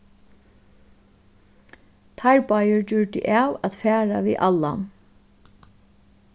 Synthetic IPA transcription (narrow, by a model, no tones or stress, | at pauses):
t̪ʰaɹpajəɹd͡ʒʏɹɖ̪ɪ̰ʔaːwat̪fæːɹaʋḭːʔalːa